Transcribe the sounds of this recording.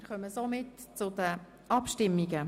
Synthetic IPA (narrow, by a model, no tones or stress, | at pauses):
kœməsomɪtt͡sʊdə | ʔɑpʃtɪmːiɡə